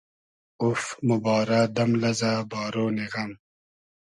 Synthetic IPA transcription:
ufmubɑːɾad̪ɐmlɐzabɑːɾoːniɣɐm

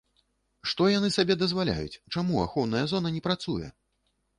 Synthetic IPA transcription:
ʂt̪ɔjanɨsabʲɛd̪ɐzvalʲa̰jṵt͡sʲt͡ʂamua̰xɔwnɐjɐzɔnɐnʲɛpɾat̪sujɛ̰

